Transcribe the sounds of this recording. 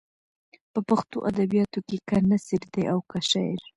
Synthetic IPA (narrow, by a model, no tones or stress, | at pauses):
pəpaxt̪o̰ʔad̪abijɑt̪okekanasiɾd̪eʔawkaʃa̰jɾ